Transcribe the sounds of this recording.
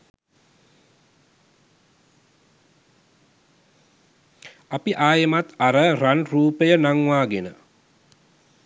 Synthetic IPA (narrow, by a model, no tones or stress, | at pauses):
apiʔaːjəmat̪aɾəranruːpəjənaŋʋaːɡenə